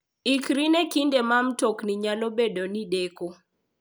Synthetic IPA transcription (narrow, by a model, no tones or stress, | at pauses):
ikɾinekindemamtokniɲalobedonideko